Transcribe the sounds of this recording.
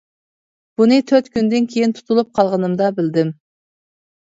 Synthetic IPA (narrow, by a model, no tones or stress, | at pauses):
b̥unɨt̪ʰøɾt̪kʲʰynd̪ɪnkʲʰejɪnt̪ʰu̥t̪ʰulˠup̚qʰɑlˠʁənɨmd̪ɑbɪld̪ɪm